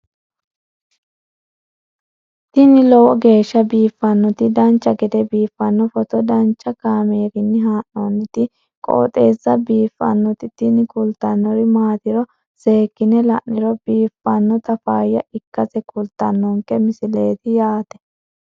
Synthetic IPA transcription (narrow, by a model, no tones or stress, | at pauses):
t̪ɪnɪlɔwɔɡe̞ːʃːɐbiːfːɐnːɔt̪ɪd̪ɐnt͡ʃːɐɡɛd̪ɛbiːfːɐnːɔfɔt̪ɔd̪ɐnt͡ʃːɐkaːmeːɡɪnːɪɦaːnːɔnːɪt̪ɪ | kʼo̰ːt̪ʼeːzːɐbiːfːɐ̰nːɔt̪ɪt̪ɪnɪkʊlt̪ːɐnːɔɾɪmaːt̪ɪɾɔ | se̞ːkːɪnɛlɐʔnːɪɾɔbiːfːɐnːɔt̪ɐfaːjːɐɪkːɐsɛkʰʊlt̪ːɐnːɔŋkːɛmɪsɪleːt̪ɪjaːt̪ɛ̥